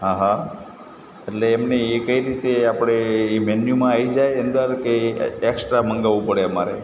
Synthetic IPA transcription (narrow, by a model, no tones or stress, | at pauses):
ɦãɦa | eʈleːmneekəiɾit̪eapɽ̃eːmɛnjumãaid͡ʒajənd̪əɾkeːksʈɾaməŋɡaʋũpəɽeəmaɾḛ